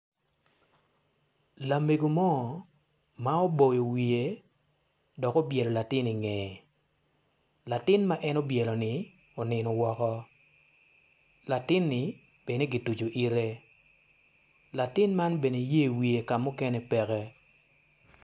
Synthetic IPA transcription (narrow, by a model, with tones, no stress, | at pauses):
la˨me˨ɡo˨mɔ˦˨ | ma˦o˦bo˨jo˨wi˨e˨ | dɔ˨ko˦bjɛ˨lɔ˨la˨tɪ˦ni˨ŋɛ˨ | la˨tɪ˦nma˦ʔɛ˦no˦bjɛ˨lɔ˨nɪ˨ | ɔ˨nɪ˨nɔ˨wɔ˨kɔ˦ | la˨tɪ˦nːɪ˨˦ | b̥e˨ne˦ɡi˨tu˨d͡ʒo˨ʔi˦ɾe˦ | la˨tɪ˦nma˦nbe˨ne˨je˦˨wi˨e˨ka˨mʊ˦kɛ˦nɛ˦pɛ˨kɛ˦